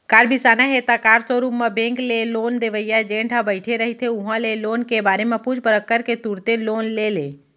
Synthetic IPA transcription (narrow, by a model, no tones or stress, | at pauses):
kaːɾbʱisaːnaɦet̪akaːɾsoɾupmẽbẽŋkleloːnd̪eʋəjad͡ʒẽɳʈʰãbəɪʈʰeɾəɦit̪ʰeʊɦãleloːnkebaːɾemẽpud͡ʒpəɾəkːəɾket̪uɾt̪eloːnlele